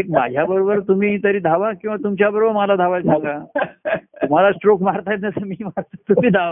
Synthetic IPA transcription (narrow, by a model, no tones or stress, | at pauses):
ek̚ma̰d͡ʑʱjabəɾobəɾt̪um̤iːt̪əɾiːd̪ʱaʋakĩw̃ʋat̪umt͡ɕjabəɾobəɾmalad̪ʱaʋajʈʰaka | um̤alasʈɾokmaɾt̪ajet̪nasəmiːmaɾt̪ət̪umiːd̪ʱaʋa